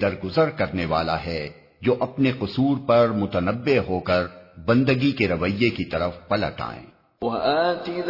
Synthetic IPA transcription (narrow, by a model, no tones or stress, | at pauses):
ɐɾɡʊzəɾkɐɾneʋa̰ːla̰ɦɛ | d͡ʒoːʔɐpneqʊsuːɾpɐɾmʊt̪ənəbːeɦoːkɐɾbɐ̃nd̪əɡikeɾɐʋəjːekit̪ɐɾəfpɐlə̰ʈa̰ːḛ̃ː | wɐʔaːt̪id